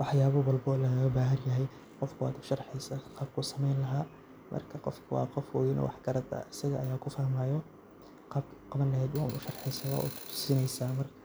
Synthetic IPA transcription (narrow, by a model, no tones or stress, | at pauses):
wɑħjaːβɐwɐlbɔːlɐɣɣɐbaːɦɐrjɐɦɛj | qɔfkʰʊa̰ːd̪ʊ̥ʃɐrħɛjsaqɑːb̚kʰʊsɐmɛjnlɐɦaː | mʔɐ̰rkʰɐqɔfkʰʊwɑ̰ːqɔfwɔːjɪnɔ̰wɑ̰ħkɐɾɐd̪ɐ̰ɐsɐɣɐʔɐjaːkʰʊfɐhmaːjɔ | qɑbqɑβɐnlɐɦɛːd̪wɑ̰ːnʊʃɐrħɛjsɐwa̰ːʔʊ̰t̪ʰt̪ʰʊ̥sɪnɛjsaːmɐrkʰɐ